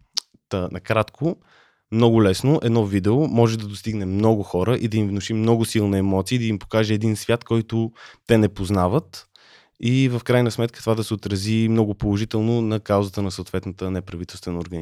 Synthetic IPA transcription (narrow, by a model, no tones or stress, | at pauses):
t̪ənɐkɾat̪kʰo | mnɔɡʊlɛsnoʔɛd̪nɔvid̪ɛʊmɔʒɛd̪ɐd̪ost̪iɡnɛmnɔɡʊxɔɾəʔid̪ɐimvnʊʃimnɔɡʊsilˠnɐɛmɔt̪siːd̪ɐimpo̥kaʒɛːd̪insvʲjat̪kɔjt̪ʊt̪ɛnɛpoznavət̪ | ivəfkɾajnəsmɛt̪kʰə̥t̪ovad̪ɐsɛot̪ɾəzimnɔɡʊpolˠoʒit̪ɛlˠnʊnɐkaʊzət̪ənɐsot̪vɛt̪nət̪ənɛpɾɐvit̪ɛlˠst̪vɛnəoɾɡəni